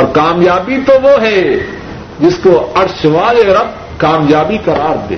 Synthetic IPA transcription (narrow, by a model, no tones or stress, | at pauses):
ɔːɾkaːmjaːbit̪oʋoɦɛ | d͡ʒɪskoɐɾʃʋaːleɾɐb̚ | kaːmjaːbikɐɾaːɾd̪ḛː